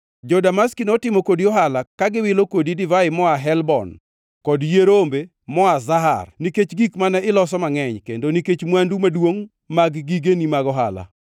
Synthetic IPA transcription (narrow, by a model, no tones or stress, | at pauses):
d͡ʒɔdamaskinɔtɪmɔkodiɔɦalakaɡɪwɪlokodidɪvaɪmɔaɦɛlbɔ̰n | kɔdjeɾombe | mɔazaɦa̰rniket͡ʃɡikmanɛʔɪlɔsɔmaŋɛɲkendoniket͡ʃmwandumadwoŋ | maɡɡiɡenimaɡɔɦa̰la̰